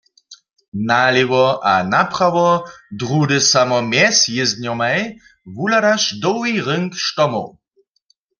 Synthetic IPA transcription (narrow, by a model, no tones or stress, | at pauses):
naliwɔʔanapχawɔd̪ʁudɨsamɔmjɛsjɪzd̪̚ɲɔmaj | vulaɾaʃdɔwiʁəŋkʃtɔmo̰w